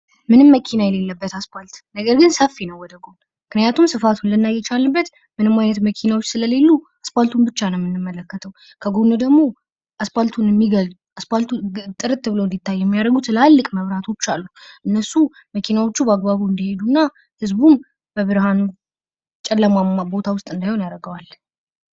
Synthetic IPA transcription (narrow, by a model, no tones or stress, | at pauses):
mɨnɨmːəkʰinajɛle̞lːəbːət̪aspalt̪nəɡəɾɡɨnsəfːinəwɔd̪əɡon | mɨknɨjat̪ʰumsɨfat̪ʰunlɨnːajːɛt͡ʃʰalːɨbːət̪ | mɨnɨmːajnət̪məkʰinawo̞t͡ʃːsɨləle̞lːu | aspalt̪ʰunbɨt͡ʃːanəwmːɨnːɨmːələkːət̪ʰəw | kʰəɡonəd̪əɡmo̞ | ʔasfalt̪ʰunɛmːiɡəld̪uaspalt̪ʰut̪ʼːɨɾɨt̪ːɨβɨləwnd̪it̪ʰːajːɛmːijaɾəɡut̪ʰɨlalːɨkʼməβɾat̪ʰo̞t͡ʃːalːuʔɨnːəsu | məkʰinawo̞t͡ʃːubəaɡbaβuɨnd̪ihe̞d̪unːa | hɨzbun | bəβɨɾhanu | t͡ʃʼɛlːəmamːabo̞t̪ʰawʊst̪ʼɨnd̪ajhonjaɾəɡəwal